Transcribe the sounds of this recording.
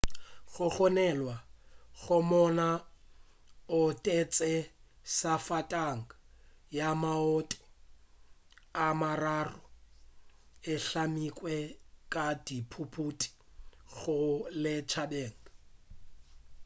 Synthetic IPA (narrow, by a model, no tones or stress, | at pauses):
ɣʊɣʊnɛlwaɣʊmɔna | ʊtʼɛt͡sʼɛ | safatʼaŋ̩ɡa | jamaotʼɛ̥ | amararʊ | ɪɬamikʼwɛkʼadipʰupʰʼutʼi̥ɣʊlɪt͡ʃʰadɛːŋa